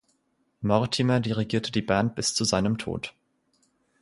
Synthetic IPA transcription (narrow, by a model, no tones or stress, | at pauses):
mɔʁtʰimɐdiʁiɡiːɐtʰədiːbɛːnt̚b̥ɪst͡suzaɪnəmtʰo̰ːt